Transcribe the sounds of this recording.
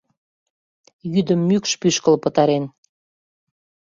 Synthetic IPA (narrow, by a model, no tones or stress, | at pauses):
jyd̪əmːykʃpyʃkəlpə̆t̪ɑɾen